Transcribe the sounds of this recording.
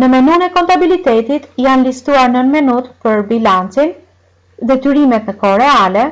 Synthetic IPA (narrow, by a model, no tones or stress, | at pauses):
nəmɛnunɛkɔnt̪abilit̪ɛt̪it̪janlist̪uaɾnənmɛnut̪pəɾbilant͡sin | ðɛt̪yɾimɛt̪nəkɔɾɛalɛ